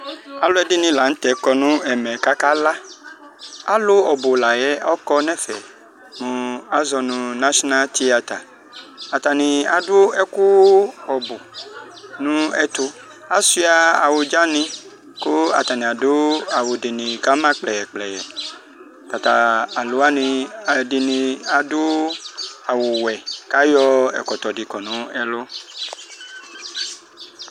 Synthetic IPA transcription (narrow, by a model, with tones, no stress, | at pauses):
a˨lʊ˦ɛ˦dɪ˦nĩ˨la˨˦ŋ̩˦t̪ɛ˨˦kɔ˦nũ˦ɛ˨mɛ̃˨ka˦ka˦la˦ | a̰˨lʊ˦ɔ˨bo˨la˨jɛ˦ɔ˦kɔ˦nɛ̃˦fɛ̰˨ | mũ˨a˦zɔ˨nũ˨na˦ʃɔ˦na˦lt̪i˦a˨t̪a̰˨ | a˨t̪a˨nĩ˨a˨dʊ˦ɛ˦ku˦ɔ˨bo˨ | nũ˦ɛ˦t̪ʊ˦ | a˦si˦a˨a˨wʊ˨d͡ʒa˦nĩ˦ | kʊ˦a̰˨t̪a˨nĩ˨a˨dʊ˦a˨wo˨di˨nĩ˨ka˦mã˦k͡plɛ˨ɛ˨k͡plɛ˨ɛ˨ | ta˨t̪a˨a˨lʊ˦a˦nĩ˧a˨di˨nĩ˨a˨dʊ˦ | a˨wʊ˨wɛ˨ka˦jɔ˦ɛ̰˨kɔ˨t̪ɔ˨di˨kɔ˨nũ˦ɛ˦lo˦